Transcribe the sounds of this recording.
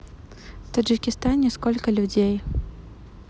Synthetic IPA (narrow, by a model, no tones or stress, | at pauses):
ft̪ɐʐɨkʲɪst̪anʲɛskolʲkəlʲʊdʲej